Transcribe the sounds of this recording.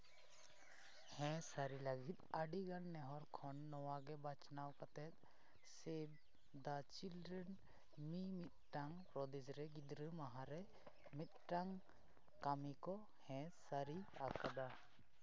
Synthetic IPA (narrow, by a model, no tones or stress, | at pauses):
hɛ̃saɾiləɡit̪̚əɖiɡanːɛɦɔɾkʰɔnːɔwaɡɛbat͡ʃnawkat̪ɛt̪̚ | seb̚ | d̪at͡ʃildɾɛn | mimit̪̚ʈaŋ | ɾɔd̪id͡ʒɾɛɡid̪ɾəmaɦãɾɛ | mit̪̚ʈaŋ | kamikɔ | hɛ̃saɾiakad̪a